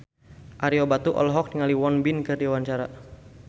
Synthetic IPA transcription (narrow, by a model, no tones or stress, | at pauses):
ʔaɾiɔbat̪uʔɔ̰lɦɔk̚niŋaliwɔnbinkɨrdiwant͡ʃaɾa